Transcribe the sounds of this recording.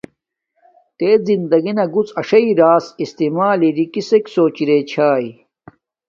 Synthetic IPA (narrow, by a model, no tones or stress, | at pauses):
t̪eːd͡zind̪ɐɡinɐɡut͡sɐʂɐiɾaːsist̪imaːliɾikiseksoːt͡ɕiɾeːt͡ɕʰaːi